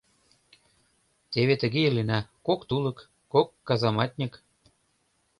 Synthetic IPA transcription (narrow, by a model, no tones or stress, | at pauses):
t̪ʲeβet̪ə̆ɣeelinækokt̪ulɤ̆kː | okːɑzɑmɑt̪ʲnʲik